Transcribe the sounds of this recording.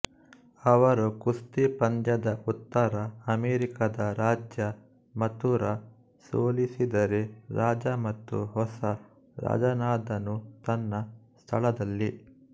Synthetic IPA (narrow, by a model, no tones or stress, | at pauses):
ɐʋɐɾukust̪ipɐnd̪jɐd̪ɐʔut̪ːɐɾɐɐmeːɾikɐd̪ɐɾaːd͡ʒjɐ | mɐt̪uɾɐ | so̰ːlisid̪ɐɾeɾaːd͡ʒɐmɐt̪ːṵɦɔsɐ | ɾa̰ːd͡ʒɐnaːd̪ɐnut̪ɐnːɐst̪ʰɐɭɐd̪ɐlːi